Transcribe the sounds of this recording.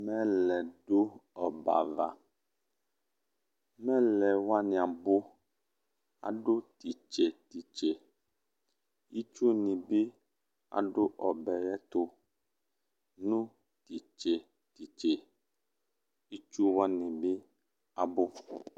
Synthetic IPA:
mɛ̃˦lɛ˨ɖo˦ɔ˨ba̰˨va̰˨ | mɛ̃˦lɛ˨wa˦nĩ˨a˨bo˦ | a̰˨ɖo˦t̪i˨t͡ʃe˨t̪i˨t͡ʃe˨ | i˦t͡ʃu˦nĩ˨bi˦ | a̰˨ɖo˦ʔɔ˨bɛ˨jɛ˦t̪o˦ | nũ˦ | t̪i˨t͡ʃe˨ | t̪i˨t͡ʃe˨ | i˦t͡ʃu˦wa˦nĩ˨bi˦ | a˨bo˦

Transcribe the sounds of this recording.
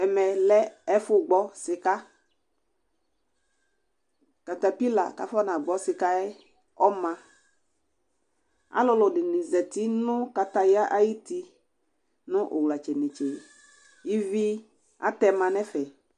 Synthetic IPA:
ɛ˨mɛ˨lɛ˦ɛ˦fʊ˦ɡ͡bɔ˦sɪ˨ka˦ | ka˨ta˨pi˦la̰˨ka̰˨fɔ˦nã˨ɡ͡bɔ˦sɪ˨ka˦ɛ˦ | ɔ˦mã˨ | a̰˦lʊ˦lʊ˨dɪ˨nɪ̃˨zɛ˨t̪i˦nʊ̃˦ka˨ta˨ja˦ʔa˦ji˦ti˧ | nʊ̃˦ʔʊ̰˨wla˨t͡ʃɛ˨nɪ̃˨t͡ʃɛ˨ | i˦vi˦ | a̰˦tɛ˦mã˨nɛ˦fɛ˨

